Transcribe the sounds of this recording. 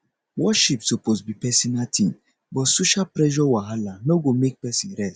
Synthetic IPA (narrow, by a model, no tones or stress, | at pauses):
wɔʃipsopozbipɛsinatʰĩn | bɔtsoʃapɾɛʒɔwaɦalanoɡomek̚pɛsĩnɾɛst